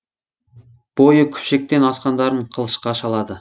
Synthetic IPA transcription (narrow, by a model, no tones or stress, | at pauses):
b̥o̞jəkʲʰʏ̥pʃe̞k̚t̪e̞nɑsqɑnd̪ɑɾəɴqʰəlˠəʃqɑʃɑlˠɑd̪ə